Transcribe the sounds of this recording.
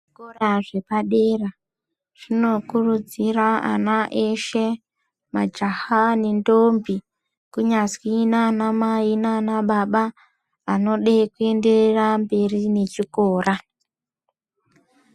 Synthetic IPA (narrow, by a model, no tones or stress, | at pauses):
ʐʐikoraʐe̞paɗe̞ːra | ʐ̥ino̞kurud͡ziraa̰naʔeʃe | mad͡ʒahanendombi | kuɲaswinanamainanaɓaɓa | ano̞ɗekue̞nde̞rambe̞rine̞t͡ʃikoːrʔa